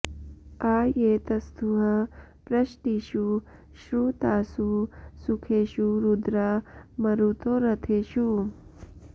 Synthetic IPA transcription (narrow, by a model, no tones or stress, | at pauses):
aːjeːt̪ɐst̪ʰuɦɐ | pɾɐʃʈiːʃu | ʃɾut̪aːsusukʰeːʃuɾud̪ɾaːmɐɾut̪oːɾɐt̪ʰeːʃu